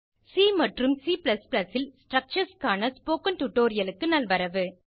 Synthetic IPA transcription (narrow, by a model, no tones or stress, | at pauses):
siːmɐʈrɯmsiːplɐsplɐsɪlsʈɾɐk̚t͡ʃɐɾskaːnɐspoːkɐnʈʊʈːoːɾɪjɐlɯkːɯnɐlʋɐɾɐʋɯ